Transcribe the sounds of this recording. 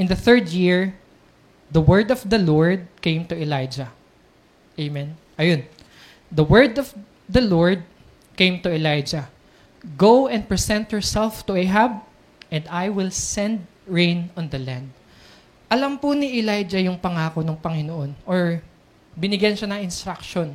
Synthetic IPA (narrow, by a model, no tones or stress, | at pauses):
ʔɪ̃nd̪ɐθɛɹd̪jɪɹ | d̪ɐwɛɹd̪ɔvd̪ɐloɹd̪̚kẽjmt̪ʊɛlajd͡ʒɐ | ʔejmɛn | ʔɐjon | d̪ɐwɛɹd̪ɔv | d̪ɐloɹd̪̚ | kẽjmt̪ʊɛlajd͡ʒɐ | ɡowɛ̃nd̪̚pɹɛsɛ̃nt̪hɛɹsɛlft̪ʊʔɛɦab | ʔɛ̃nd̪ajwɪlsɛ̃nd̪̚ | ɹẽjnɔ̃nd̪ɐlãnd̪̚ | ʔɐlɐmpʊnɪʔɪlajd͡ʒɐjʊŋpɐŋaːkonʊŋpɐŋɪnoʔonʔoɹ | bɪnɪɡjɐnʃanɐŋɪnst̪ɾakʃon